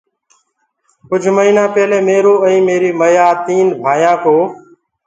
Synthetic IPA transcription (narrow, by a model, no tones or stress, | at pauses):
kʊd͡ʒʱməɦiːnãːpeːleːmeːɾoːɛ̃ːmeːɾiːməjaːt̪iːnbʱaːjãːkoː